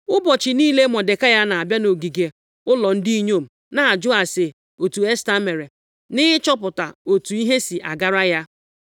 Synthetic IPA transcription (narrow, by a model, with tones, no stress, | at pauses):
ʊ˦bɔ˨t͡ʃɪ˨niː˦le˦mɔ˨de˨ka˦ja˦na˨a˨bja˦no˨ɡi˨ɡe˨ | ʊ˦lɔ˨n̩˦di˦i˦ɲo˦˨m̩˨ | na˨d͡ʒʊ˦a˨se˨ | o˨tu˨e˦sta˦me˨ɾe˨ | nɪ˦t͡ʃɔ˦p̬ʊ˨ta˨o˨tu˨i˦ɦe˦si˨ʔa˨ɡa˦ɾa˦ja˦